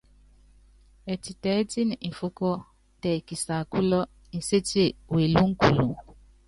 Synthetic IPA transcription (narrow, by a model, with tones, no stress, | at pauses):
e˨ti˨tɛ˨˦ti˦n̩˨fʊ˦kɔ˦ | tɛ˨ki˨sa˨kʊ˦lɔ˦ | n̩˨se˦te˦˨we˨lu˦ŋ̩˦ku˨lṵ˨